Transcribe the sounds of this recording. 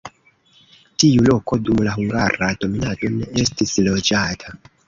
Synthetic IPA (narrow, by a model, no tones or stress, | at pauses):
tiulo̞ko̞dumlaɦuŋɡaɾado̞minato̞ne̞estislo̞d͡ʒatʰa